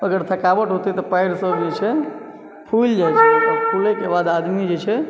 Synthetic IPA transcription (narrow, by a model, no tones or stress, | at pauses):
əɡəɾt̪ʰəkaʋəʈɦot̪it̪ɔpəɪɾsəbd͡ʒet͡ʃʰɛ | pʰuld͡ʒajt͡ʃʰeɔpʰulekebad̪ad̪mid͡ʒet͡ʃʰɛ